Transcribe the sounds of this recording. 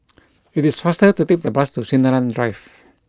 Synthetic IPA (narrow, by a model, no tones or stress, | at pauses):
itisfastətutek̚d̪əbastusĩnəlãndɹajf